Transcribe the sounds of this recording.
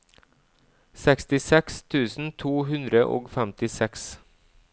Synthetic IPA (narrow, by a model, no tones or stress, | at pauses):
sɛkst̪ɪsɛkst̪ʰʉːsn̩t̪ʰuːɦʉnd̪ɾəʔo̰ːɡfɛmt̪ɪsɛks